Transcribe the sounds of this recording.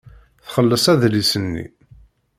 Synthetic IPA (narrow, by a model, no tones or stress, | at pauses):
θχəlːəsæðlisənːḭ